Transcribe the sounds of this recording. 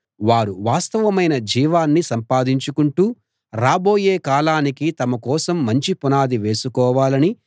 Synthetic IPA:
ʋaːɾuʋaːst̪ɐʋɐmɐjnɐd͡ʒiːʋaːnːisɐmpaːd̪iɲt͡ʃukuɳʈuː | ɾaːbo̞ːjeːkaːlaːnikit̪ɐmɐkɔːsɐmːɐɲt͡ʃipunaːd̪iʋe̞ːsukɔːʋaːlɐni

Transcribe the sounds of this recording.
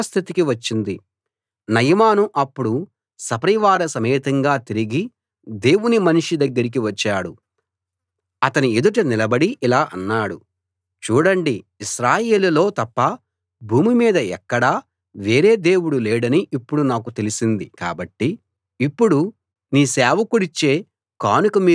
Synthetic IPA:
st̪ʰit̪ikiʋɐt͡ʃːind̪i | nɐjɐmaːnuʔɐpːuɽu | sɐpɐɾiʋaːɾɐsɐmeːt̪ɐŋɡaːt̪iɾiɡi | d̪e̞ːwunimɐniʂid̪ɐɡːɐɾik̬iʋɐt͡ʃːaːɽu | ɐt̪ɐnied̪uʈ̬ɐnilɐbɐɽiʔilaːʔɐnːaːɽu | t͡ʃuːɽɐɳɖiiʃɾaːje̞ːlulo̞ːt̪ɐpːɐ | bʱuːmimiːd̪ɐɛkːɐɽaː | ʋe̞ːɾe̞ːd̪e̞ːwuɽuleːɽɐniʔipːuɽunaːkut̪elisind̪ika̰ːbɐʈːi | ipːuɽu | niːsɛːʋɐkuɽit͡ʃːeː | kaːnukɐmiː

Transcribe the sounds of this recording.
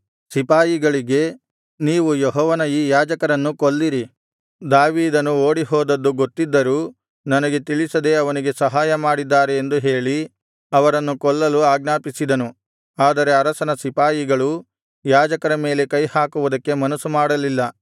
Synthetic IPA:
sipaːjiɡɐɭiɡe̞ | niːʋujeɦɔːʋɐnɐjiːjaːd͡ʒɐkɐɾɐnːukoɭːiɾi | d̪aːʋiːd̪ɐnːuo̞ːɽiɦɔːd̪ɐd̪ːuɡot̪ːid̪ːɐɾuː | nɐnɐɡe̞t̪iɭisɐd̪e̞ɐʋɐniɡe̞sɐɦaːjɐmaːɽid̪ːaːɾe̞ːnd̪uɦe̞ːɭi | ɐʋɐɾɐnːukɔɭːɐluaːɡ̚naːpisid̪ɐnu | aːd̪ɐɾe̞ɐɾɐsɐnɐsipaːjiɡɐɭu | jaːd͡ʒɐkɐɾɐme̞ːle̞kɐjhaːkuʋud̪ɐkːe̞mɐnɐsumaːɽɐlilːɐ

